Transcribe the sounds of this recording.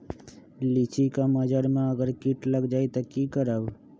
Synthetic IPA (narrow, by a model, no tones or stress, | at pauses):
lit͡ʃikaməd͡ʒaɾmãəɡəɾkiʈləɡd͡ʒait̪okikəɾaʋ